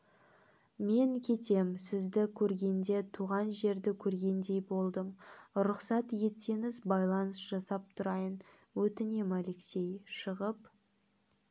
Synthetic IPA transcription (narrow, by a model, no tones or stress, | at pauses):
me̞ŋkʲʰe̞t̪e̞msɪzd̪ɪkʲʰɵɾɡʲe̞nd̪e̞t̪ʰuʁɑnʒe̞ɾd̪ɪkʲʰɵɾɡʲe̞nd̪e̞jbo̞lˠd̪əmɾʊqsɑt̪je̞t̪se̞ŋɪzbɑjlˠɑnəsʒ̥ɑsɑp̚t̪ʰʊɾɑjən | wɵt̪ɪne̞male̞kse̞jʃəʁəp